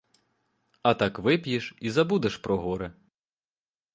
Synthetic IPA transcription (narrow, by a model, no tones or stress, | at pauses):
ɐt̪ɑkʋɪpjiʃizɐbud̪eʃpɾɔɦɔɾɛ